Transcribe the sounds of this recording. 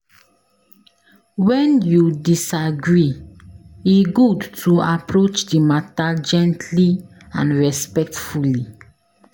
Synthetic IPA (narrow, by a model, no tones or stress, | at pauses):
wɛ̃njudisaɡɹi | iɡudtʰuapɹot͡ʃdimatad͡ʒɛ̃ntʰli | ãnɹɛspɛk̚tfuli